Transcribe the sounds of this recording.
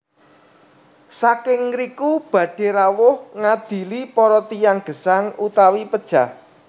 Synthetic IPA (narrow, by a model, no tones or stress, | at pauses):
sakɪŋɾikub̥ä̤ɖ̥e̤ɾawʊhŋad̪̥i̤lipɔɾɔt̪ijaŋɡ̥ə̤saŋut̪awipəd̥ʒ̥a̤h